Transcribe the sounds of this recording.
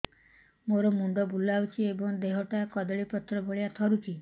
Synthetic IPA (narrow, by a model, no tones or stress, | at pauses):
moɾɔmuɳɖ̪ɔbulawt͡ʃʰiebɔŋd̪eɦɔʈakɔd̪ɔɭipɔt̪ːɾɔbʱɔɭjat̪ʰɔɾut͡ʃʰi